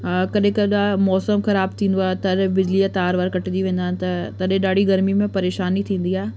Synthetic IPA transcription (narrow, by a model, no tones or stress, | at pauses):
kɐɗɦɪ̃kɐɗamɔːsəmxɐɾaːb̚t̪ʰĩːnd̪oaːɦet̪ɐɗbɪd͡ʑliat̪aːɾʋaːɾkɐʈɪd͡ʑ̪iʋẽːn̆d̪aːɦɪnɪ̆t̪ɐt̪ɐɗɦẽɗaːɽ̤iɡɐɾmimẽpɐɾeːʃaːnit̪ʰĩːn̆d̪iaːɦe